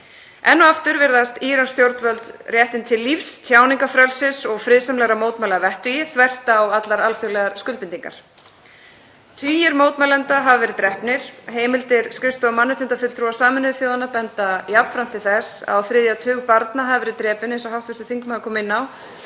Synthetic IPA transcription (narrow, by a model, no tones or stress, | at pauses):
ɛnːɔaft̪ʏɾvɪɾðast̪iːɾanst̪jowɾt̪vœlt̪rjɛht̪ɪnt̪ʰɪlːifst̪ʰjaːwniŋkafɾɛlsɪsɔɣfɾɪðsamlɛɣɾamoːwt̪mɛlaðavɛht̪ʏjɪθvɛr̥t̪aːwat̪laɾalfʏɣlɛɣaɾskʏlpɪnt̪iŋka̰ɾ̥ | t̪ʰviːjɪɾmoːwt̪mɛlɛnt̪aɦavvɛːɾɪt̪ɾɛhpnɪɾ̥ɦeːjmɪlt̪ɪɾskɾɪst̪ɔɔmanːɪst̪ɪnt̪afʏtlt̪ʰɾuasaːmɪnʏðʏθjoːwðanapɛnt̪ajapn̥fɾam̥t̪ʰɪlθɛsa̰wθɾɪðjat̪ʰʏːɣpaɾt̪naɦavɪvɛːɾɪt̪ɾɛːpɪnejnsɔɦawht̪vɛst̪ʏ̥θiŋkmaðkʰɔːmɪnːaw